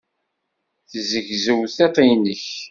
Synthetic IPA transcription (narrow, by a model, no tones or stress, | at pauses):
θzəʝzəwθet̪ˤinəç